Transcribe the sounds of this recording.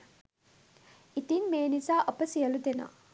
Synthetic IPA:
it̪inmeːnizaːʔəpəsijəlud̪ena̰ː

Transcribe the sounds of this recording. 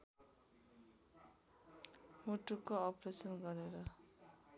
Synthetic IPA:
muʈukːoːpresʌnɡʌɾeɾʌ

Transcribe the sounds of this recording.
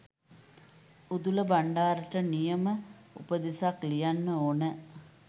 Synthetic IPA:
ud̪uləbaɳɖaːɾəʈənijəmə | ṵpəd̪isaklijanːəoːnə

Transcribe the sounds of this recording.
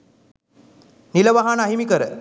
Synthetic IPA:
niləʋaɦanəaɦimikəɾə

